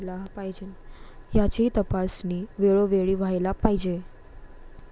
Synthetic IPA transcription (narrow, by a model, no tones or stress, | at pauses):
lapajd͡ʑejat͡ɕeit̪əpasniːʋeɭoʋeɭiːʋʱajlapaɦid͡ʑe